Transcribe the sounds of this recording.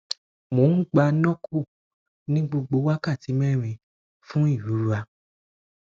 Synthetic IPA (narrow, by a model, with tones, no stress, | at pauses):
mo˨˦n̩˦ɡ͡ba˧nɔ̃˦kʰu˦˨ | nĩ˦ɡ͡bo˧ɡ͡bo˨˧˦wa˦ka˦˨ti˨˦mɛ̃˦˨ɾ̃ĩ˧ | fũ˦i˦˨ju˨˦ɾu˧˦a˧